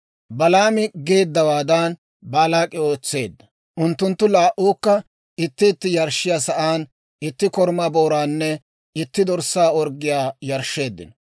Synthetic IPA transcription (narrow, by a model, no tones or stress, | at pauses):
bɐlaːmɪɡe̞ːd̪ːɐwaːd̪an | baːlaːkʼːɪo̞ːt͡sːe̞̰ːd̪ːɐ | ʔʊnt̪ːʊnt̪ːʊlaːʔuːkːɐ | ɪt̪ːɪɪt̪ːɪjɐɾʃːɪjaːsɐʔaːn | ɪt̪ːɪkɔɾmaːbo̞ːɾaːnːɛ | ɪt̪ːɪd̪ɔɾsaːɔɾɡːɪjaːjɐɾʃːe̞ːd̪ːɪ̰nɔ